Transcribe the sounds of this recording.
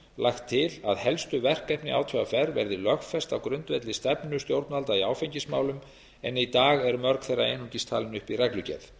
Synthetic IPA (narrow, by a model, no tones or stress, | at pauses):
lʔaxt̪ʰːɪlaðhɛlst̪ʏvɛr̥kɛhpnɪaːwt̪ʰvʏafɛɾvɛ̰ɾðɪlœxfɛst̪awkɾʏnt̪vɛt̪lɪst̪ɛpnʏst̪jowɾt̪nalt̪aiaːwfeɲcɪsma̰ːwlʏm | ɛnit̪aːɣɛɾmœɾkθejrːa̰ejnuɲcist̪ʰaːlɪnʏhpirɛklʏcɛ̰θ